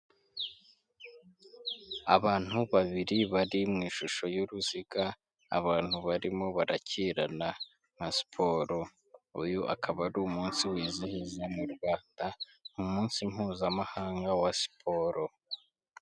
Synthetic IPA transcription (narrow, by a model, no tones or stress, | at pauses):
a̰βaːn̥huβaβiɾiβaɾimŋiːʃuʃo̞joɾuziɡa | a̰βaːn̥huβaɾimo̞βaɾacʰiːɾana | nasi̥pʰo̞ːɾo̞ | ujoʔa̰kʰaβaɾumuːnsiwiːzihizemuɾɡwaːnda | numuːnsimhuːzamahaːŋɡawasi̥pʰo̞ɾo̞